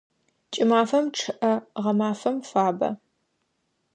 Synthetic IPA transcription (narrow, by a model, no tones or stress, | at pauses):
t͡ʃʼɪmaːfɐmʈ͡ʂʰɨʔɐʁɐmaːfɐmfaːbɐ̰